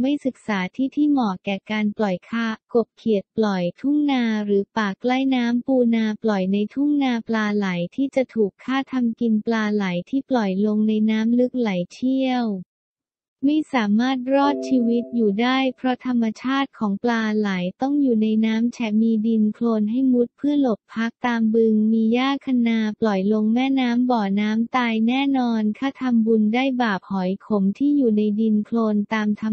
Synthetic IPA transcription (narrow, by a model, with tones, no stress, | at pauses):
ma˥˩jsɯ˨˩k̚saː˩˦t̪ʰiː˥˩t̪ʰiː˥˩mɔː˨˩kɛː˨˩kaː˧nplɔ˨˩jkʰaː˥˩ko˨˩p̚kʰi˨˩ət̪̚plɔ˨˩jt̪ʰu˥˩ŋnaː˧ɾɯː˩˦paː˨˩kla˥˩jnaː˦˥mpuː˧naː˧plɔ˨˩jna˧jt̪ʰu˥˩ŋnaː˧plaː˧la˩˦jt̪ʰiː˥˩t͡ɕa˨˩t̪ʰuː˨˩kʰːaː˥˩t̪ʰa˧mki˧nplaː˧la˩˦jt̪ʰiː˥˩plɔ˨˩jlo˧ŋna˧jnaː˦˥mlɯ˦˥k̚la˨˩˦jt͡ɕʰi˥˩əw | ma˥˩jsaː˩˦maː˥˩t̪̚ɾɔː˥˩t̪̚t͡ɕʰiː˧wi˦˥t̪̚juː˨˩daː˥˩jpʰɾɔ˦˥t̪ʰa˧mːa˧t͡ɕʰaː˥˩t̪̚kʰɔː˩˦ŋplaː˧la˩˦jt̪ɔ˥˩ŋjuː˨˩na˧jnaː˦˥mt͡ɕʰɛ˦˥miː˧di˧nkʰloː˧nɦa˥˩jmu˦˥t̪̚pʰɯ˥˩ɐlo˨˩p̪̚pʰːa˦˥k̚t̪aː˧mbɯ˧ŋmiː˧jaː˥˩kʰa˧naː˧plɔ˨˩jlo˧ŋmɛː˥˩naː˦˥mbɔː˨˩naː˦˥mt̪aː˧jnɛː˥˩nɔː˧nkʰaː˥˩t̪ʰa˧mbu˧ndaː˥˩jbaː˨˩p̚hɔ˩˦jkʰo˩˦mt̪ʰiː˥˩juː˨˩na˧jdi˧nkʰloː˧nt̪aː˧mt̪ʰa˧